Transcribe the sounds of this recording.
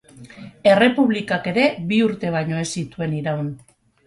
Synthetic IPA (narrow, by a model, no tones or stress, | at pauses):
e̞re̞puβlikake̞ɾe̞βiuɾt̪e̞β̞ajɲo̞e̞sit̪ue̞niɾawn